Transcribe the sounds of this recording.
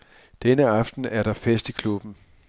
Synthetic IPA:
d̥enəɑ̈fd̥n̩æɐɾ̥ɑ̈fesd̥ikʰlub̥n̩

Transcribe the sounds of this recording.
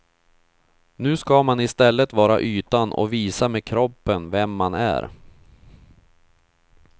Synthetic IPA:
nʉ̟ːskamanɪst̪ɛlːət̪vɑːɾa̰ʔyːt̪anɔ̰viːsameːkʰɾɔpːənvɛmːanæ̰ɾ

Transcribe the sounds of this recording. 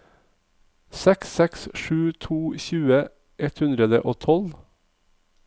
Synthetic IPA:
sɛksːɛksʃʉːt̪ʰuːçʉːə | ʔɛt̪hʉnd̪ɾəd̪ə̰ʔoːt̪ʰɔl

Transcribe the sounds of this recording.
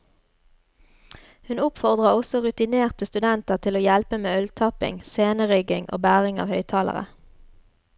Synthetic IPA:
hʉnʊpfɔʁd̪ʁəʁɔsɔʁʉt̪ɪneːʁt̪əst̪ʉd̪ɛnt̪əʁt̪ʰɪloːjɛlpəmeːœlt̪ʰɑpɪ̰ŋseːnəʁʏɡɪŋʔo̰ːbæːʁɪŋɑ̰ːʋhœʏt̪ʰɑːlə̰ʁə̰

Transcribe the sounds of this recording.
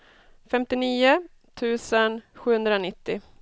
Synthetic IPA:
fɛmt̪ɪniːʊ | t̪ʰʉ̟ːsənɧʉːhɵnd̪ɾaɔnɪt̪ːɪ

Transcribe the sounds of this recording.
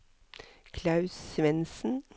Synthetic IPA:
kʰlɑʉsʋɛnsn̩

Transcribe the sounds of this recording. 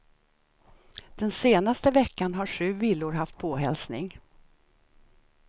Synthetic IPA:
d̪̥ɛnseːnast̪əvɛkːanɦaɧʉ̟ːvilːʊɾɦaft̪̚pʰoːɦɛlsnɪ̰ŋ

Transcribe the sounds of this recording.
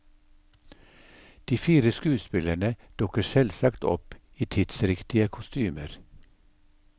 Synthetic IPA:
d̪̥iːfiːɾəskʉːspɪləɳəd̪̥ʊkəsɛlsɑkt̪ɔ̰p | iːt̪ʰɪd̪̥sɾɪkt̪ɪəkʰʊst̪yːməɾ

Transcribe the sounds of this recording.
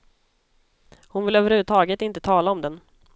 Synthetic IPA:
hʊnvɪløːvəɾhʉ̟vːət̪ʰɑːɡət̪ɪnt̪ət̪ʰɑːlaɔmd̪ɛn

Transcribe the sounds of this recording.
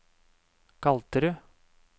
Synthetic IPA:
kʰɑlt̪əɾʉ

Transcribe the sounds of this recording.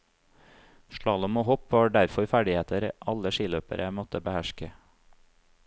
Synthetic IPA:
ʃɭɑːləmoːhɔpʋɑːɖæɾfɔɾfæɖɪheːt̪əɾəʔɑləʃɪːløːpə̰ɾʔəmɔt̪əbəhæʃkə

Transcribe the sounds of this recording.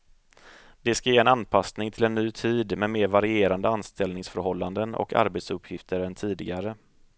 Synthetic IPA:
d̪̥ɛskajeːɛnanpʰasnɪŋt̪ʰɪlɛnːyːt̪ʰiːd̪mɛmeːɾvaɾɪeːɾand̪əanst̪ɛlnɪŋsfœɾɦɔlːand̪ənɔ̰kʰa̰ɾbet̪sɵpʰːjɪft̪əɾɛnt̪ʰiːd̪ɪɡaɾə

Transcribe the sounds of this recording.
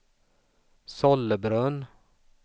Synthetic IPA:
sɔlːəbɾœn

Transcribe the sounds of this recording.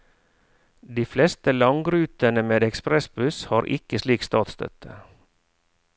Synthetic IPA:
d̪iːflɛst̪əlɑŋɡɾʉːt̪ənəmeːd̪ɛkspɾɛsbʉshɑːɾʔɪ̰kəsliːkst̪ɑːt̪st̪œ̰t̪ʰə

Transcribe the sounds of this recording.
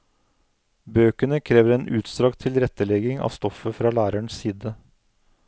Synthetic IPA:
bøːkənəkʰɾeːʋəɾeːnʔʉːt̪st̪ɾɑːɡt̪ʰɪlɾɛt̪əlɛɡɪŋɑ̰ːʋst̪ɔfəfɾɑːlæːɾæɳssiːd̪ə

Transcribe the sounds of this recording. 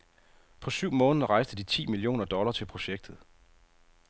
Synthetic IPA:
pʰɒ̽syʊ̰mɔ̽ːnəð̩ˠɐʁɑ̈ɪsd̥əd̥it͡sʰḭːmilijo̝̰ːnɐd̥ɒ̽lɐːt͡sʰe̝lpʰʁo̝ɕeɡ̥̚d̥ð̞̩ˠ

